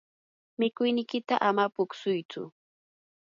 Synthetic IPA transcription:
mɪkʊjnɪkɪt̪aʔamapʊksʊjt͡sʊ̰

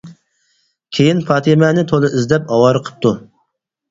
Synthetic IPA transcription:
kʲʰejinpʰɑːt̪ʰɪmɛnɪt̪ʰolˠɨizd̪ɛpɑwɑɾɨqʰə̥p̚t̪ʰu

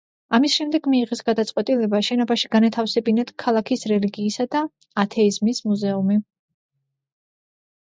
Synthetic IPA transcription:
amisʃɛmd̪ɛɡmiːʁɛsɡad̪at̪sʼqʼwɛt̪ʼilɛbaʃɛnɔbaʃiɡ̥anat̪ʰafsɛbinad̪̥kʰalˠakʰisɾɛliɡiːsad̪aː | t̪ʰɛizmismuzɛumi

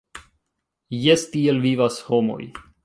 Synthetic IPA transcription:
jestie̞lvivasho̞mo̞̰j

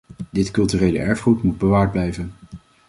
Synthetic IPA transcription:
dɪtkɵlˠtyːrejlə̰ʔɛɹfχrutmud̚bəʋaːɹd̚blɛjvən

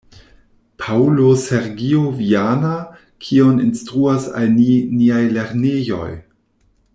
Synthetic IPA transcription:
pʰauloseɾɡioviana | kʰioninstɾuasa̰lniniajleɾnejo̞̰j

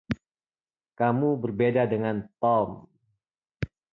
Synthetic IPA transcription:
kamubərbedadəŋant̪ɔm

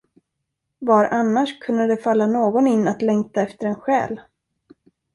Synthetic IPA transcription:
vaɾʔanːaʂkʰɵnd̪əd̪ɛfalːanoːɡɔnɪnːat̪lɛŋk̚t̪aɛft̪əɾɛnɧɛ̰ːl

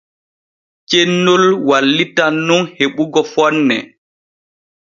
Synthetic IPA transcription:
t͡ʃenːolwalːitanːunheɓuɡɔfɔnːɛ̰

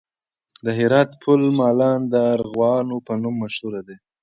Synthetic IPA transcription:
d̪əɦɪɾɑt̪pʰʊlmɑlɑnd̪əɾɣwɑnopənumːaʃhuɾad̪e

